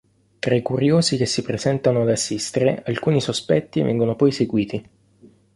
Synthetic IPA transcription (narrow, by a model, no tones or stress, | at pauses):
t̪ɾaikuɾjoːzik̟esːipɾezɛnt̪anoad̪asːist̪eɾeʔalkuːnisospɛt̪ːivɛ̰ŋɡonopɔjseɡwiːt̪i